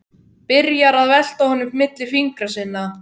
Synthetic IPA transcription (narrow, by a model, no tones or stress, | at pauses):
pɪɾjaɾaðvɛl̥t̪ahɔːnːʏmmɪt̪lɪfiŋkɾasɪnːa